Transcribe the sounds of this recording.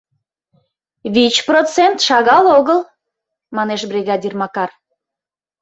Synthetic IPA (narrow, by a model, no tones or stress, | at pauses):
βit͡ɕprot͡sent̪ʃɑɣɑloɣəl | mɑneʃbrʲiɣɑdʲirmɑkɑr